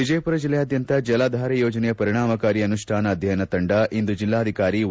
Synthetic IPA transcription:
id͡ʒɐjpuɾɐd͡ʒilːɐjaːd̪ʱjɐnt̪ɐd͡ʒɐlaːd̪ʱaːɾɐjoːd͡ʒɐnɛjɐpɐɾiɽ̃aːmɐkaːɾiɐnuʂʈʰaːnɐːd̪ʱjɐjɐnɐt̪ɐɳɖɐʔind̪ud͡ʒilːaːɐd̪ʱikaːɾi

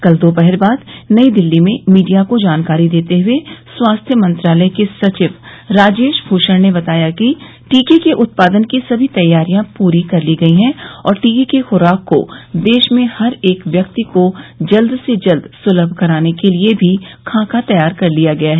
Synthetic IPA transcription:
kɐld̪oːpɛɦəɾbaːd̪nɐid̪ɪlːimẽmiːɖijakod͡ʒaːnkaːɾid̪eːt̪eɦʊeswaːst̪ʰjəmɐ̃nt̪ɾaːləjkesɐt͡ʃɪʋɾaːd͡ʒeːʃbʱuːʃəɾnebɐt̪aːjaki | ʈiːkikeʔʊt̪̚paːd̪ənkisɐbʱit̪ɐjːaːɾijãpuːɾikɐɾliɡɐiɦɛ̃ɔːɾʈiːkikexʊːɾaːkːo̰d̪eːʃmẽhɐɾeːkʋjɐkt̪ikod͡ʒɐld̪sed͡ʒɐld̪sʊləbʱkɐɾaːnekeliebʱikʰãːkat̪ɐjaːɾkɐɾlijaɡɐjaɦɛː

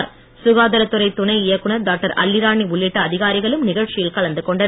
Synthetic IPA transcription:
ɾ | sʊɣaːðɐɾɐt̪ːɯɾɐɪt̪ːʊnɐɪɪjɐkːɯɳɐɾɖaːk̚ʈɐɾɐ̰lːɪɾaːɳiʊɭːɪʈːɐːðɪɣaːɾɪɣɐɭɯmnɪɣɐɻt͡ʃɪjɪlkɐɭɐnd̪ɯkɔɳɖɐn

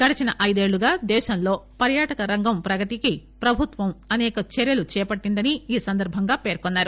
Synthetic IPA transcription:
ɡɐɽɐt͡ʃɐnɐʔɐjd̪e̞ːɭːuɡaːd̪ɛːʃɐmlo̞ːpɐɾjaːʈɐkɐɾɐŋɡɐmpɾɐɡɐt̪ikipɾɐbʱut̪ʋɐmɐnɛːkɐt͡ʃɛɾjɐlut͡ʃɛːpɐʈːind̪ɐniiːsɐnd̪ɐɾbʱɐŋɡaːpe̞ːɾkɔnːaːɾu

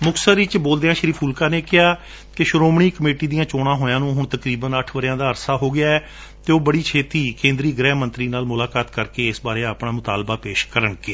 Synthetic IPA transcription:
mʊksəɪt͡ʃboːld̪eːãːʃəɾiːpʰuːlkaːneːkɪɦaː | kɪʃɾoːmɳiːkəmeːʈiːd̪ijãːt͡ʃoːɽ̃ãːɦoːjãːnũːɦʊɳt̪əkɾiːbənəʈʰʋəɾɪjãːd̪aːəɾsaːɦoːɡɪjaːɛː | t̪eːoːbəɽiːt͡ʃʰeːt̪iːkẽːnd̪ɾiːɡɾɛːɦmənt̪ɾiːnaːlmʊlaːkaːt̪kəɾkeːɪsbaːɾeːaːpɳaːmʊt̪aːlbaːpeːʃkəɾəɳɡeː

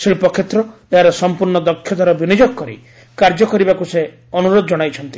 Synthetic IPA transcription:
siɭpɔkʰːet̪ɾɔ | eɦaɾɔsɔmpuɾɳɔd̪ɔkʰːjɔt̪ɔɾɔbinid͡ʒɔɡkɔɾḭ | kaɾd͡ʒɔkɔɾibakuse | ɔnuɾod̪ɔd͡ʒɔɽ̃ajt͡ʃʰɔnt̪i̥

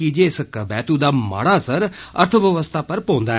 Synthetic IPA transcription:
id͡ʒeskəbɛːt̪ũd̪aːma̰ːɽaːsəɾə̰ɾt̪ʰəʋjəʋəst̪ʰaːpəɾpõːnd̪aː

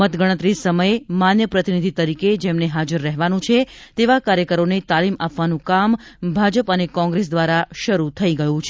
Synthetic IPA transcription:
ət̪ɡəɽ̃ət̪ɾisəməjemanjəpɾət̪inid̪ʱit̪əɾiked͡ʒemneɦad͡ʒəɾːɛɦʋanũt͡ʃʰet̪eʋakaɾjəkəɾonet̪alimapʋanũkambʱad͡ʒəpənekɔ̃ŋɡɾes̬d̪ʋaɾaʃəɾut̪ʰəiɡəjũt͡ʃʰ

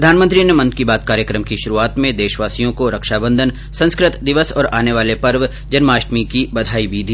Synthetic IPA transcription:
ɾɐd̪ʱaːnmə̃nt̪ɾinemɐ̃nd̪kibaːt̪̚kaːɾjəkɾəmkiʃʊɾuaːt̪mẽd̪eːʃʋaːsijõkoɾɐkʃaːbə̃nd̪ʱən | sɐ̃nskɾɪt̪d̪ɪʋəsɔ̰ːɾa̰ːneʋaːlepɐɾʋ | d͡ʒɐnmaːʃʈmikibɐd̪ʱaːibʱiːd̪ʱiː

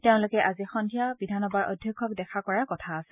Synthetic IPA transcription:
teʊ̃lʊkɛʔazixɔndʰʱijabidʱanɔbaɹɔ̰dʱjɔkʰːɔk̚dɛkʰakɔɹakɔtʰaːsɛ̥

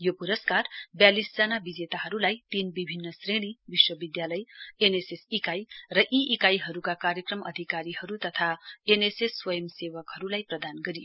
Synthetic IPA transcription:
jopuɾʌskarbjalisd͡zʌnabid͡zet̪aɦʌɾulajt̪inbibʱinːʌsreɽ̃ibiswʌbid̪jalʌjenesesikajrʌʔiʔikajɦʌɾukakaɾjʌkrʌmʌ̰d̪ʱikaɾihʌɾut̪ʌt̪ʰaenesesːwʌjʌmsewʌkɦʌɾulajprʌd̪anɡʌɾijo

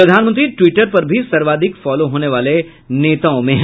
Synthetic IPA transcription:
ɾɐd̪ʱaːnmə̃nt̪ɾiʈʋiːʈəɾpɐɾbʱisɐɾʋaːd̪ʱɪkfɔːloɦoːneʋaːle | neːt̪aːõmẽɦ

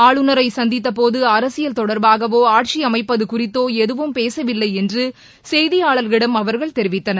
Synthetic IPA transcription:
aːɭɯnɐɾɐɪsɐnd̪ɪt̪ːɐpoːðɯɐɾɐsɪjɐlt̪ɔɽɐɾbaːɣɐʋoːaːʈ̚t͡ʃiɐmɐɪpːɐðɯkʊrɪt̪ːoːɛðɯʋɯmpeːsɐʋɪlːɐɪɛndrɯ | sɛjðɪjaːɭɐɾɣɪɽɐmɐʋɐɾɣɐɭt̪ɛɾɪʋɪt̪ːɐnɐ

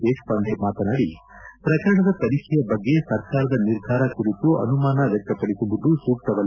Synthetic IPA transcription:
eːkpɐnd̪ʱemaːt̪ɐnaːɽi | pɾɐkɐɾɐɳɐd̪ɐpɐɾikʰɛjɐbɐɡːe̞sɐɾkaːɾɐd̪ɐniɾd̪ʱaːɾɐkuɾit̪uʔɐ̰numaːnɐʋjɛk̚t̪ɐpɐɽisubud̪usuːk̚t̪ɐʋɐl

